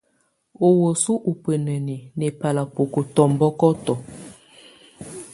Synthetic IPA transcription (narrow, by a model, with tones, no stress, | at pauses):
o˨wo˨su˦ʔu˨pə˨nə˨ni˨ne˨pa˨la˨po˨ko˨tɔ˨mbɔ˦kɔ˦tɔ˨